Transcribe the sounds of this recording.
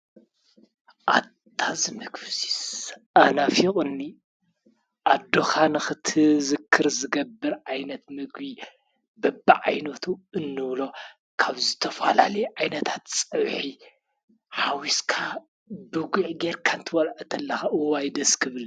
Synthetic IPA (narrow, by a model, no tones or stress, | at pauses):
ʔad̪ʰazɨmɨɡfsi̥sʔanafiχʼɨnːi | ʔad̪ːoxʰanɨxɨt̪ʰɨzɨkʰːɨɾzɨɡɐbːɨɾʕajnɐt̪mɨɡbi | bɐbːa̰ʕa̰jnɐt̪ʰuɨnːɨβlo̞ | kʰaβzɨt̪ʰɐfa̰la̰lɐjʕajnɐt̪ʰḁt̪t͡sʼɐwħi | ħawiskʰa | bɨɡʷuʕɡeɾkʰant̪ʰɨwɐlʕɨt̪ʰɐlːɐxaʔɨwajd̪ɐskʰɨβɨl